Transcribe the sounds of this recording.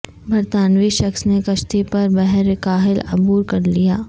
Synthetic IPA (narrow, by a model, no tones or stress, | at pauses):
bʱɐɾt̪aːnʋiʃɐksnekɐʃt̪ipɐɾbɛɦɾekaːɦɪlɐbuːɾkɐɾlijaː